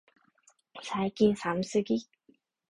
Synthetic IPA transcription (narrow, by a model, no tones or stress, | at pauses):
sʰajkinsamsɨki